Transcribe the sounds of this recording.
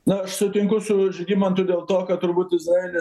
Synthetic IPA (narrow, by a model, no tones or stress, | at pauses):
nʊɐʃsʊt̪ʲɪŋkʊsʊʒʲɡʲiːmɐnt̪ʊd̪ʲeːlˠt̪oːkɐt̪ʊɾbuːt̪ɪzɾɑːeːlʲɪ